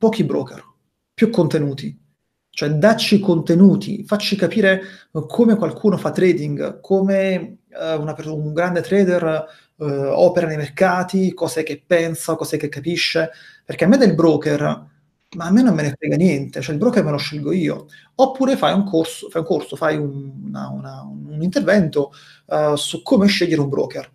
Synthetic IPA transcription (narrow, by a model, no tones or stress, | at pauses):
pɔːkibɾo̰ːkḛr | pjukːont̪enuːt̪i | t͡ʃoɛd̪at͡ʃːikont̪enuːt̪ḭfat͡ʃːikapiːɾekʰomekwalkʰuːnofat̪ːɾɛːd̪iŋɡkʰoːme | unaperuuŋɡɾand̪et̪ɾɛːd̪er | ɔ̰ːpeɾanejmerkaːt̪ikɔːzek̟epːɛnsaokɔːzek̟ːekːapiʃːe | perk̟eamːed̪elbɾoːker | maːmːenːomːenefɛːɡanjɛnt̪et͡ʃoɛilbɾoːkermeloʃːilɡoiːo̰ | opːuːɾefajuŋkʰorsofajuŋkorsofajunna̰ṵnauunint̪ervɛnt̪o | sukʰːoːmeʃːeʎːeɾeumbɾo̰ːker